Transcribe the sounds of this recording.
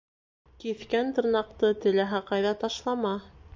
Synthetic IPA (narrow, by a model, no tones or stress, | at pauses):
kiθkænt̪ɤ̆ɾnɑqt̪ɤt̪ɘ̆læɦæqɑjðɑt̪ɑʃlˠɑmɑ